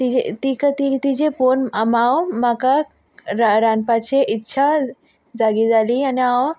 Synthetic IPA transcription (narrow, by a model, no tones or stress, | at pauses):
t̪iet̪ikat̪it̪id͡ʑeponamawmaka | ɾaɾanpat͡ʃʰeʔitːʃʰa | d͡zaɡid͡zalianeaw